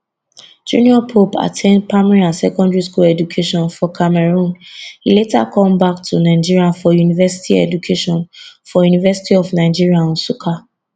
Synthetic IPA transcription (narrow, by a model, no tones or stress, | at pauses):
d͡ʒṵ̃niɔpʰopa̰tʰẽnd̚pamɹiãnsɛkɔ̃ndɹiskulɛd͡ʒukʰeʃɔ̃nfɔkʰamɛɹũnhileta̰kʰɔ̃mbak̚tʰunaɪd͡ʒiɹiafɔjunivɛsi̥tʰiɛ̰d͡ʒukʰeʃɔ̃nfɔjunivɛsi̥tiɔfnaɪd͡ʒiɹiãnsukʰa